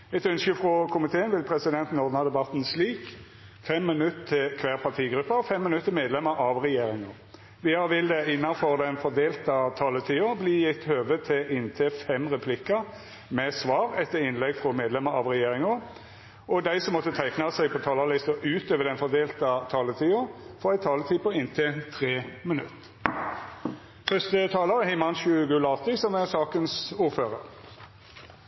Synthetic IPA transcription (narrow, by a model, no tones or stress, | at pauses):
ɛt̪œnskəfʁɔkʰʊmɪt̪ʰeːənʋɪlpʰɾɛsɪd̪ɛnt̪nɔʁd̪nɑd̪ɛbɑt̪nsliːk | fɛmːɪnʉt̪t̪ʰːɪlkʰʋæːʁpʰɑt̪ʰiːɡɾʉpːəfɛmːɪnʉt̪ːɪmeːd̪lɛməɾɑʋʁɛjeːɾɪŋɔ | ʋɪɑʋɪld̪ɛɪnːɑfɔʁd̪ɛnfɔd̪eːlt̪ɑt̪ʰɑːlət̪ʰiːobliːjɪt̪ːhøːʋət̪ʰɪʔɪnt̪ʰɪfɛmʁɛpʰlɪkːɑ | mɛsʋɑːʁɛt̪ːəʁɪnlɛɡfʁɔmeːd̪lɛməʁɑ̰ʋʁɛjeːʁɪŋo | ɔd̪æɪsɔmːɔt̪ːət̪ʰæɪknɑsæɪpʰɔt̪ʰɑːlɑlɪst̪əʔʉːt̪øːʋəd̪ɛnfɔʁd̪eːlt̪ɑt̪ʰɑːlət̪ʰiːoːfɔʁæɪt̪ʰɑːlət̪ʰiːpɔɪnt̪ʰɪt̪ʰʁeːmənʉ̰t̪ː | fœst̪ət̪ʰɑːlɑʁəhɪmɑnɕʉːɡʉːlɑt̪ːɪsɔmæʁsɑːkənsuːʁføːʁəʁ